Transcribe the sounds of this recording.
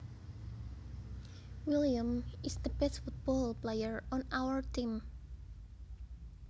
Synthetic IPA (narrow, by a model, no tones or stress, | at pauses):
wiliãmisd̪əbɛsfut̪̚bɔlplejəɹɔnawəɹt̪im